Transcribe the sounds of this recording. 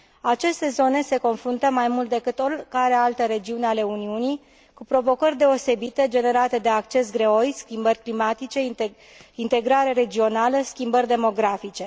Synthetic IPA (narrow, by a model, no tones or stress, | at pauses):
at͡ʃe̞st̪e̞zo̞ne̞se̞ko̞nfɾunt̪əmajmult̪d̪e̞kɨt̪o̞rʲkaɾe̞alt̪əɾe̞d͡ʒiuneale̞uniuni | kupɾo̞vo̞kərʲd̪e̞o̞se̞bit̪e̞d͡ʒe̞ne̞ɾat̪e̞d̪e̞akt͡ʃe̞sɡɾe̞o̞jskʲimbərʲklimat̪it͡ʃe̞ | int̪e̞ɡɾaɾeɾe̞d͡ʒio̞naləskʲimbərʲd̪e̞mo̞ɡɾafit͡ʃe̞